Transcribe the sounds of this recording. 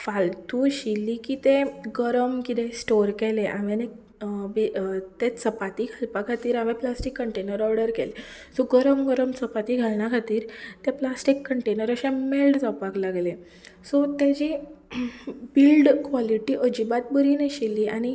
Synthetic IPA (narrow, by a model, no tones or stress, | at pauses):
falt̪uɕilːikiːt̪eɡəɾəmkit̪ẽsʈoɾkɛleʔaʋẽne | bit̪et͡səpat̪iɡʱalpakʰat̪iːɾamẽplasʈikːəɳʈenəɾɔɾɽəɾkɛlesɔɡəɾəmɡəɾəmt͡səpat̪iɡʱalnjakʰat̪iːɾt̪eplasʈikːəɳʈenəɾəɕẽmelʈd͡zapaklaɡle | sɔt̪ed͡ʑi | bilɖkʋaliʈiːʔəd͡ʑibat̪̚bəɾineɕilːiʔañi